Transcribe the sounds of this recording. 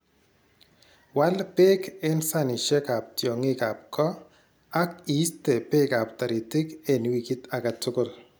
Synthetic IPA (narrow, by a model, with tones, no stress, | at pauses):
wa˦lpe˦ke˦nsa˦ni˨ʃɛ˦ka˨p̚tjɔ˨ŋɪ˦ka˨p̚kɔ˦ | a˦ki˨˦ste˨pe˦ka˨p̚ta˨ɾi˨tɪ˦ke˨nwi˨ki˦t̪a˨ka˨tʊ˦kʊ˦˨l